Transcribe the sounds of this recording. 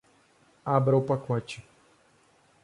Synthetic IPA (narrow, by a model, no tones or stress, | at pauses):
abɾɐʊwpakɔt͡ʃɪ